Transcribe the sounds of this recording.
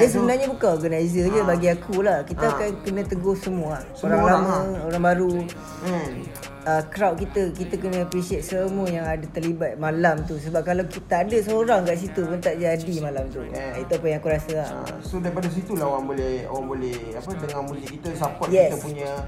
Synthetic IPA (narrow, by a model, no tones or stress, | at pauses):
jas̬əbənarɲabukanoɡənajzəd͡ʒəbaɡiakʰulahkit̪aakankənə̃t̪əɡʊhsəmuəah | oɾaŋlamə̃oɾaŋbaɾu | əkɾawʔ̪̚kit̪əkit̪əkənə̃apɾisiɛt̪̚səmuəjaŋadat̪ərlibat̪̚malamt̪usəbap̚kalakit̪aːdəsoɾaŋkaʔs̬it̪upʊnt̪aʔd͡ʒadimalamt̪ṵit̪uapəjaŋakuɾasə̰ | sodaɾipadas̬it̪ulaoɾaŋbolɛho̰ɾaŋbolɛh | apədəŋãnmulikit̪əsapɔt̪jkɛisəpuɲa